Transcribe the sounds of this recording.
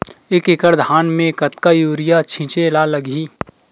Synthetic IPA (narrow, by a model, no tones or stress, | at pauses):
ekekəɾd̪ʱaːnmẽkət̪kajuːɾɪjat͡ʃʰɪ̃t͡ʃelaləɡiː